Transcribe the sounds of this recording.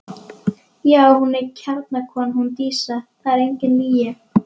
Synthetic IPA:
jaːwhunɛcʰɛɾt̪nakʰɔːnhunt̪iːsaθaɛɾejɲcɪnːiːja

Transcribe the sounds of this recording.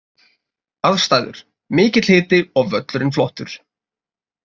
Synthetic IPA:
aðst̪aːjðʏ̰ɾ̥ | mɪːcɪt̪l̥hɪːt̪ɪɔɣvœt̪lʏɾɪnflɔht̪ʏ̰ɾ̥

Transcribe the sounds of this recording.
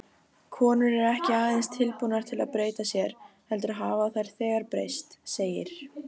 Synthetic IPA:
kʰɔːnʏɾɛɾɛhcɪaːðɪnst̪ʰɪlpunaɾ̥t̪ʰɪla̰ðpɾeːjt̪asjɛɾ̥hɛlt̪ʏɾaɦaːvaθajɾ̥θɛːɣaɾpɾḛjst̪seːjɪɾ̥

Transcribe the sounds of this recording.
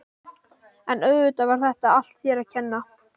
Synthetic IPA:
ɛnœɣvʏt̪avaɾ̥θɛht̪aal̥t̪θjɛɾaðcʰɛnːa

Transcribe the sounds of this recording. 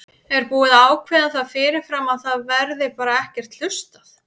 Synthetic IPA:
ɛɾpuːɪðaːwkʰvɛːðaθaðfɪːɾɪɾ̥fɾamaðθaðvɛɾðɪpaːɾaɛhcɛr̥t̪l̥ʏst̪aθ

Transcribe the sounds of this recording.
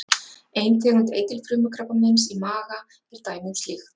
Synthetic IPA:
ejnt̪ʰɛːɣɾʏnt̪ḛːjt̪ɪlfɾʏːmʏkʰɾapamɪnsimaːɣa | ɛɾ̥t̪aːjmɪst̪lɪx

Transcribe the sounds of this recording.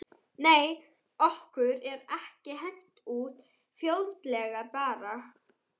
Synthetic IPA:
neːj | ɔhkʏɾɛɾɛhcɪɦejŋ̥t̪uːt̪ | fjowlt̪lɛɣapaːɾa

